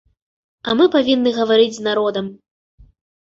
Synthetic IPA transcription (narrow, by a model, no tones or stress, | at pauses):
amɨpavʲinːɨɣɐvaɾɨd͡zʲznaɾɔd̪ɐm